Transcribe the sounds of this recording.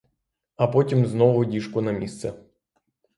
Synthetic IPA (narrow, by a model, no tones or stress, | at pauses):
ɐpɔtʲimznɔvʊdʲiʂkʊnɐmʲist̪sɛ